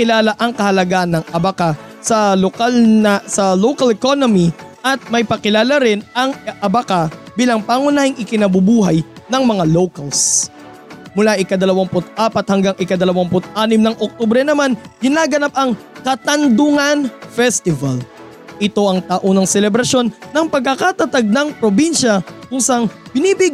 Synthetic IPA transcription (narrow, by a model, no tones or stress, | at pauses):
kɪlaːlaʔɐŋkɐhɐlɐɡaʔnɐŋʔɐbɐka | sɐlokalnɐsɐlowkɐlɛkonomiʔɐt̪̚mɐjpɐkɪlaːlaɾɪnɐŋʔɐbɐkabiːlɐŋpaŋʊnaːhɪŋʔɪkɪnɐbʊbuːɦɐjnɐŋmɐŋalowkɐls | mʊlaʔɪkɐd̪ɐlɐwampʊt̪̚ʔaːpɐt̪̚hɐŋɡaŋʔɪkɐd̪ɐlɐwampʊt̪ʔaːnɪmnɐŋʔok̚t̪ubɾɛnɐmanɡ̥ɪnaːɡɐnap̚ɐŋkɐt̪ɐnd̪ʊŋanfɛst̪ɪvɐl | ʔɪt̪o̞ʔɐŋt̪aʔonɐŋsɛlɛbɾɐʃo̞nːɐŋpɐɡ̚kːɐkat̪ɐt̪aɡ̚nɐŋpɾobinʃɐkʊŋsɐŋb̥ɪniːbɪɡ